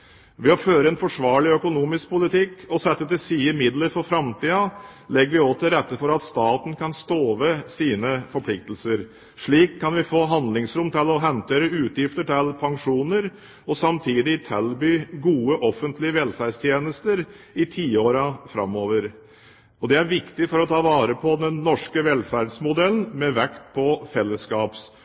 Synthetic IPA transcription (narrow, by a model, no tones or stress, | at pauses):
ʋɪɔføːɾəɛnfɔʂʋɑːɭɪœkʊnuːmɪsk̚pʰʊlɪt̪ʰɪkːɔsɛt̪ːət̪ɪsiːəmɪd̪lət̪fɔɾfɾɑmt̪iːɑlɛɡəɾʋɪɔt̪ːɪlɾɛt̪ːəfɔɾɑt̪st̪ɑːt̪n̩kʰɑnst̪oːʋəsiːnəfɔɾpʰlɪk̚t̪l̩səɾ | ʂɭiːkʰːɑnʋɪfoːɦɑnd̪lɪŋsɾʊmt̪ʰɪlɔɦɛnt̪ʰeːɾəʉːt̪jɪft̪əʈɪlpʰɑŋʂuːnəɾ | ɔsɑmt̪ʰiːd̪ɪt̪ʰɛlbyːɡuːəʔɔfːənt̪ʰlɪəʋɛlfæɖst̪ʰjeːnəst̪əɾ | ɪt̪ʰiːoːɾɑfɾɑ̰mːoːʋəɾ | ɔd̪ɛæɾʋɪkt̪ɪfɔɾɔt̪ʰɑːʋɑːɾəpʰɔd̪ɛnːɔʂkəʋɛlfæɖsmʊd̪ɛln̩mɛʋɛkt̪̚pʰɔfɛlːəskɑːps